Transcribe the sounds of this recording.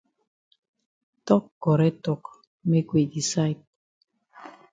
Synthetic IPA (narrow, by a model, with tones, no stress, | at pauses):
tɔ˦kːɔ˨ɾɛ˦tɔ˨k | me˦kwe˨di˨sa˦jt̚